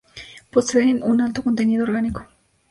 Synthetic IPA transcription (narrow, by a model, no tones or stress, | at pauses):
poseɾinunalt̪oko̞nt̪eniðooɾɣaniko